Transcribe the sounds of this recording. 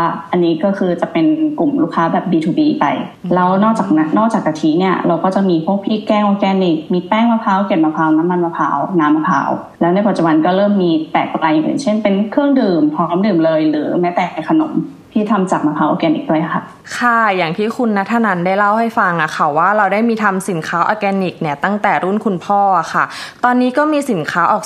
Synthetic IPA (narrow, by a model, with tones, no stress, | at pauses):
a˧˥˩ʔa˧nːiː˦˥kɔː˥˩kʰɯː˧t͡ɕa˨˩pe˧nku˨˩mluː˥˩kʰːaː˦˥bɛː˨˩p̚biː˧t̪ʰuː˧˩biː˧pa̰˧jla˧wnɔː˥˩k̚t͡ɕaː˨˩k̚na˦˥nːɔː˥˩k̚t͡ɕaː˨˩k̚a˧t̪ʰiː˦˥ni˥˩ɐɾa˧wkɔː˥˩t͡ɕa˨˩miː˧pʰu˥˩ək̚pʰiː˥˩kɛː˥˩ŋʔoː˧kɛː˧nːi˨˩k̚miː˧pɛː˥˩ŋma˧pʰaː˧˥˩wke˨˩t̚maː˧pʰaː˧˩wna˦˥mːa˧nmaː˧pʰa̰ː˧˥wnaː˦˥mːaː˧pʰa̰ː˧˥w | lɛː˦˥wnaː˥˩pa˨˩t͡ɕu˨˩ba˧nkɔː˥˩ɾɤː˥˩mːiː˧p̪ɛː˨˩k̚plaː˧jʔi˨˩ʔɯ̰˨˩ŋt͡ɕʰe˥˩npe˧nkʰɯ˥˩əŋdɯː˨˩mpʰɾɔː˦˥mdɯː˨˩mlɤː˧jɾɯː˩˦mɛː˦˥t̪ɛː˨˩ka˧jkʰa˧no̰˨˩˦m | t̪ʰiː˥˩t̪ʰa˧mt͡ɕaː˨˩k̚maː˧pʰaː˦˥wʔaː˧kɛː˧nʔḭ˨˩k̚du˥˩əjʔa˨˩kʰa̰˧˥˩ | kʰa˥˩jaː˨˩ŋt̪ʰiː˥˩kʰu˧nːa˧˦˥t̪ʰːa˧˩na˧˥ndaː˥˩jla˥˩wha˥˩jfa˧ŋʔa˨˩kʰa˥˩waː˥˩ɾa˧wdaː˥˩jmiː˧t̪ʰa˧msi˨˩˦nkʰaː˦˥wʔa̰ː˧˩kɛː˧ni˨˩k̚ni˥˩ɐt̪a˥˩ŋt̪ɛː˨˩ɾuː˦˥˩nkʰu˧npʰɔː˥˩ʔa˨˩kʰa˥˩t̪ɔː˧nːiː˦˥kɔː˥˩miː˧si˨˩˦nkʰaː˦˥ʔɔ̰ː˨˩